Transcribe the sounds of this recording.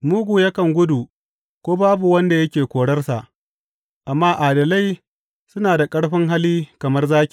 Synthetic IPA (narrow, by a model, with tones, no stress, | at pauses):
mʊ˦ɡʷu˨jɐ˦kɐ˨ŋɡʷʊ˦du˨ | kʷoː˦baː˦bu˨wɐ˦nda˨jɐ˦kʲeː˨kʷoː˨ɽɐ˦rsa˨ʔ | ʔa˨mːaː˦ʔaː˨dɐ˨la˦˨j | sʊ˦naː˨da˨kʼɐ˦ɽɸɪ˦ŋɦa˦liː˦kɐ˨mɐ˦rzaː˦kʲi˨